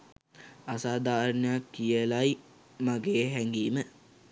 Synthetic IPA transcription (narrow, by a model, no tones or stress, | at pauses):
asaːd̪aːɾənəjakːijəlaj | maɡeːɦɛŋɡiːmə